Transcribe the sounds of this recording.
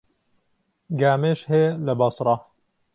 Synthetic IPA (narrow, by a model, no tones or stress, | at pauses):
ɡaːmeːʃhelɐbɑsɾˤɑ